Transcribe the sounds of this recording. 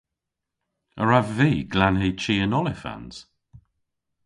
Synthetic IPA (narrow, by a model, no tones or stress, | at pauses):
əɹavviːɡlanɦiːt͡ʃʰiːənɔlɪfa̰nz̥